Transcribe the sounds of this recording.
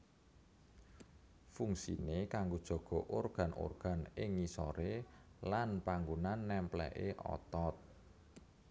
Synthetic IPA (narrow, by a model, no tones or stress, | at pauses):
fuŋsḭnekaŋɡod̥ʒ̥ɔ̤ɡ̥ɔ̤ʔorɡ̥a̤nʔo̰rɡ̥a̤nɪŋːisɔɾelanpaŋɡunanːɛmplɛ̰ʔeʔɔ̰t̪ɔt̪̚